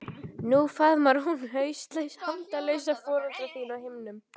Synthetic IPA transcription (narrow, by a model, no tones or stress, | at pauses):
nuθaðmaɾhunhœɥst̪lejshamt̪alejsafɔːɾalt̪ɾaθiːnawhɪmnʏm